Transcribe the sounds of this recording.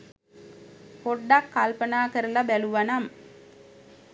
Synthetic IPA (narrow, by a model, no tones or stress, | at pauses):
poɖːakːalpənaːkəɾəlabæluʋanam